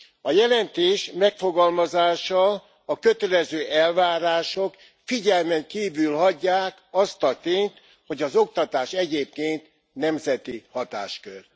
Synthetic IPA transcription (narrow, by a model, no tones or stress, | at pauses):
ɒjɛlɛnt̪eːʃmɛkfo̞ɡɒlmɒzaːʃɒ | ɒkø̞t̪ɛlɛzøːʔɛlvaːɾaːʃok | fiɟɛlmɛŋkiːvylɦɒɟːaːkɒst̪ɒt̪eːnt̪ | ho̞ɟɒzo̞kt̪ɒt̪aːʃɛɟeːp̚keːnt̪ | nɛmzɛt̪ihɒt̪a̰ːʃkør